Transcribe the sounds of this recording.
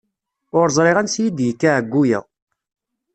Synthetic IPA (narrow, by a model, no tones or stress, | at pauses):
ʊɾzˤɾˤɪʁænsjid̪jikːaʕɡːujæ̰ʁ